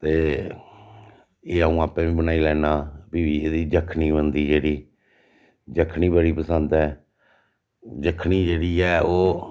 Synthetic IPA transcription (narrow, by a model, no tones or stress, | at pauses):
t̪eː | eːəũːaːpɛ̃ːʋĩːbənaːiːlɛːnaːbiːʋiːeːd̪iːd͡ʒəkʰniːbənd̪iːd͡ʒeːɽiː | d͡ʒəkʰniːbəɽiːpəsənd̪ɛː | d͡ʒəkʰːniːd͡ʒeːɽiːɛːoː